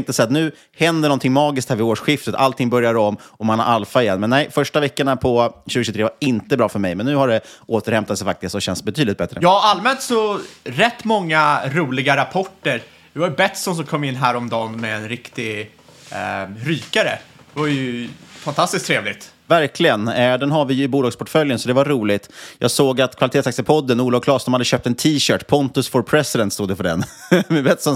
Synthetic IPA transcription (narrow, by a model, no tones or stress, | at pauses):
ŋt̪əsɛat̪̚nʉ̟ː | hɛnd̪əɳɔnt̪ʰɪŋmɑːɡɪskt̪hæːɾvɪoːʂɧɪft̪ət̪ʰa̰lt̪ʰɪŋbœɾjaɾɔmːɔmanha̰ɾʔalfaɪjɛnːmɛnːɛjfœʂʈavɛkːəɳapʰɔɕʉ̟ɡəɕʉt̪ɾeːvaɾɪnt̪əbɾɑːfœɾmɛjmɛnːʉ̟ːhaɖɛoːt̪əɾhɛmt̪at̪sɛjfak̚t̪ɪst̪sɔɕɛnsbɛt̪ʰyːd̪lɪt̪bɛt̪ɾəjɑːalmɛnt̪sɔɾɛt̪ːmɔŋːaɾuːlɪɡaɾapʰɔʈːəɾ | vɪvajɵbɛt̪sɔns̬ɔmkʰɔmːɪnːɦæːɾɔmd̪ɑːnmɛɛnɾɪkt̪ɪ | ɾyːkaɾə̰ | d̪̥ɛvajɵfant̪ʰast̪ɪskt̪ʰɾeːvlɪɡt̪ | væɾkʰlɪɡənɛɖɛnɦavɪjɵɪbuːlɑːɡspʰɔʈfœljənsɔd̪ɛvaɾuːlɪt̪jɑ̰ːɡsoːɡat̪kʰvalɪt̪eːt̪sakt̪sɛpʰɔd̪ːənuːlɔvkʰlɑːsɔmhad̪ːəɕøːp̚t̪ɛnt̪ʰiːɕœːʈpʰɔnt̪ɵsfɔɾpʰɾɛsɪd̪ɛnt̪st̪uːd̪ɛfœɖɛ̰nmɛbɛt̪sɔn